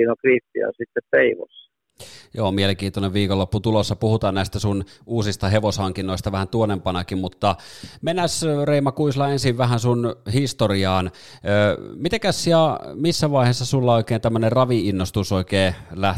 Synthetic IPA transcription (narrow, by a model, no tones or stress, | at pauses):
iːnokritːḭɑ̰sit̪ːeppeiʋo̰sː | joːmieleŋkiːnt̪oneʋʋiːkolːopːut̪ulosːɑpuhut̪ɑːnnæˑist̪æsunuːsist̪ɑheʋoshɑŋkinːˑoest̪ɑʋæhænt̪uonempɑnɑkimmut̪ːɑmenæsreimɑkuislɑensiʋʋæhænsunhist̪oriɑːnː | mit̪ekæsiɑmisːæʋɑˑiheːsːɑsulːɑoˑikeˑːnt̪æmːønerrɑʋiinːost̪usoˑikeːlæh